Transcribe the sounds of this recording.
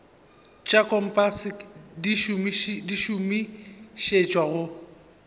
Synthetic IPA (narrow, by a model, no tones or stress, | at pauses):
t͡ʃʼakʰʼɔm̩pʼasɪdiʃumiʃdiʃumiʃet͡ʃʼwaɣʊ